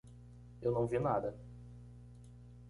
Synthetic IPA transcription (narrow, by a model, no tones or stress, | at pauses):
ewnɐ̃w̃viɐnad̪ɐ